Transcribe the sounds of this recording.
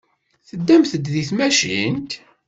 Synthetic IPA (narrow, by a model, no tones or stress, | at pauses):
θəd̪ːæmθəd̪ðiθmæʃint̪